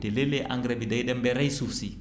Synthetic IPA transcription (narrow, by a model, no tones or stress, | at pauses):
teleleʔaŋɡɾɛbidajɗɛmbɛɾajsufsi